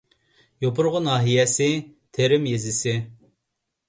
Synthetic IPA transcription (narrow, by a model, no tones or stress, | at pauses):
jopʰʊɾʁʊnɑːɦijɛsɪt̪ʰeɾɪmjezɪsɪ